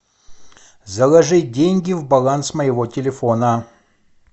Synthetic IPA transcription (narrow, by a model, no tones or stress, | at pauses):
zɐlˠɐʐɨdʲenʲɡʲɪvbɐlˠansməjɪvotʲɪlʲɪfonə